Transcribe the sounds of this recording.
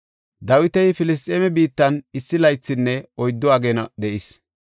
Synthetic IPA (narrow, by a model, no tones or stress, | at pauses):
d̪ɐwɪt̪ɛjfɪlɪs̬t̪ʼːeːmɛbiːt̪ːɐnɪsːɪlɐjt͡sːɪnːɛɔjd̪ːɔaɡɛnɐd̪ɛʔɪs